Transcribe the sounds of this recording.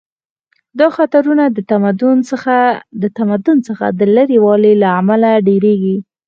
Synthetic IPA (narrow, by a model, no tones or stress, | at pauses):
d̪ɑxat̪aɾunad̪ət̪amad̪ʊn | d̪ət̪amad̪ʊnt͡səxa̰d̪ələɾewɑlelaːmalaɖeɾeɡi